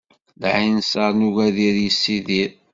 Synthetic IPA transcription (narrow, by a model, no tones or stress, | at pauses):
ðʕinsəɾˤnuʝæðiɾjəsːiðiɾ